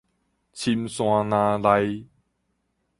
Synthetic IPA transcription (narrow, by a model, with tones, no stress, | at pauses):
t͡sʰi˧˥mswaː˧naː˧la˧j